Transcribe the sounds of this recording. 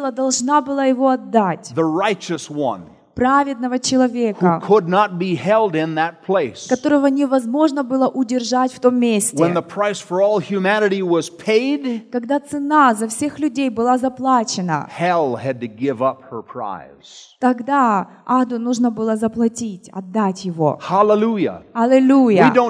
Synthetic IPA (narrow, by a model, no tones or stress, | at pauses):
lˠəd̪ɐlˠʐnabɨlˠəjɪvo̞ɐd̪ːatʲðəɹaɪt͡ʃɨswʌ̰̃n | pɾavʲɪd̪̚nəvət͡ɕɪlˠɐvʲehkəkʰədⁿnət̚b̥iɦɛlˠdɪ̃nðət̚pʰl̥eɪskɐt̪o̞ɾəvənʲɪvɐzmo̞ʐnəbɨlˠəʔʊdʲɪrʐatʲft̪o̞mːʲesʲtwʲə̃nðəpʰɹ̥aɪsfə˞ɔlˠhjʉmænɨɾiwʌz̥pʰeɪdkɐɡd̪at̪sɨnazɐfsʲexlʲʉdʲejbɨlˠazɐplˠat͡ɕɪnə̰hɛlˠɨd̚tɨɡɪvʌp̚hə˞pʰɹ̥a̰ɪz̥t̪ɐɡd̪a | ad̪ʊnuʐnəbɨlˠəzɐplˠɐtʲitʲɐ̰d̪ːatʲjɪvo̞̰hælˠəlujə̰halʲˠɪlʲujəwidõʊ̃